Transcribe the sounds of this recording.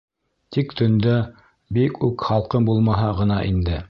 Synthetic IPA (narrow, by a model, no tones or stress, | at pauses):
t̪ikt̪ɵ̆nd̪æ | bikʰʉkχɑlˠqɤmbulˠmɑɦɤʁɤ̆nɑʔind̪ɘ